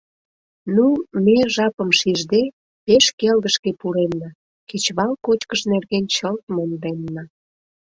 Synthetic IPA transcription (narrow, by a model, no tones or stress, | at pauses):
numeʒɑpəmʃiʒd̪e | peʃkelɣəʃkepuɾemnɑ | ket͡ɕβɑlkot͡ɕkəʃnerɣent͡ɕəlt̪̚mond̪emnə